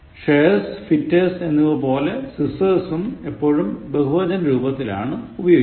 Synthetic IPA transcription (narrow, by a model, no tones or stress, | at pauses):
ʂeːsfitːese̞nːuʋɐpo̞ːle̞sisɐsume̞pːo̞ːɻumbeɦuʋɐdɐnɾuːbɐt̪ːila̰ːɳɨubɐjoː